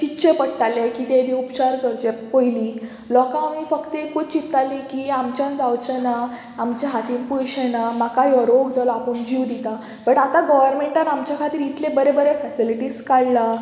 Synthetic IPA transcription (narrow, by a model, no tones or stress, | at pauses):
t͡ɕitːɕepəɽʈalekiːt̪ebiːupt͡ɕaɾkəɾt͡ɕ̪epojliː | lɔkãːmiːfəkt̪ekʰut͡ɕit̪alikiːamt͡ɕjãnd͡zawt͡ɕena | amt͡ɕaɦat̪iːnpujɕenamakajɔɾoɡd͡zalapəɳd͡ʑiwd̪it̪a | bəʈat̪aɡɔʋəɾmeɳʈaɾamt͡ɕjakʰat̪iːɾit̪ʰlẽbəɾebəɾefɛsiliʈiːskaɭla